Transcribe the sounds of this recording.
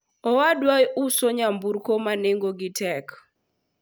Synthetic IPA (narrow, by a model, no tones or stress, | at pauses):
ɔwadwajʔusoɲambuɾkomaneŋɡoɡitɛk